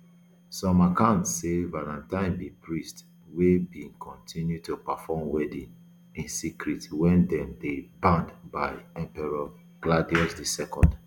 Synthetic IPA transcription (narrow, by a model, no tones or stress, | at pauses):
sɔ̃makãntsevalãntãɪ̃nbipɹist | webĩŋkʰɔ̃ntʰĩnjutupafɔmwɛdĩn | ĩnsikɹitwɛ̃ndɛ̃mdebãndbaɪɛ̃mpɛɹa | ɡ̥ladiɔsdisɛkɔ̃nd